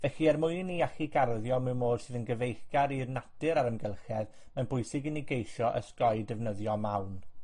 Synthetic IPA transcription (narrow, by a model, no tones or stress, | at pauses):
vɛɬiɛrmʊɨniaxiɡarðjɔmɨwmoːd̥sɨðənɡəvejxɡaɾirnad̥ɨɾaɾəmɡɛlˠxɛð | mɛnbʊjsɪɡɪniɡejʃɔʔə̰skɔjdɛvnəðjɔmawn